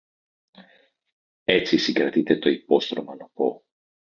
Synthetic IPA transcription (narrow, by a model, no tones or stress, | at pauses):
et̪sisiɡɾat̪it̪et̪oipost̪ɾomanopo̰